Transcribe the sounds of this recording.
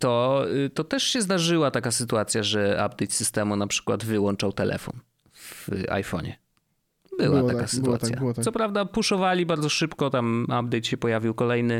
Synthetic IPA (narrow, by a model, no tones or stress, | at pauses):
t̪ɔt̪ɔt̪ɛʂɕɛzd̪aʐɘwat̪akasɘt̪uat̪sʲjaʐɛa̰bd̪ɛjt̪sɘst̪ɛmunapʂɘ̥kwa̰d̪vɘwɔnt͡ʂawt̪ɛlʔɛ̰fɔ̰n | va̰jfɔ̰ɲɛ̰ | bɘwat̪akasɨt̪ua̰t̪sʲja̰sɔpɾavd̪apuʂɔvalʲibaɾdzɔʂɘpkɔt̪amab̚d̪ɛjt̪ɕɛpɔjavʲiwkɔlɛjnɘ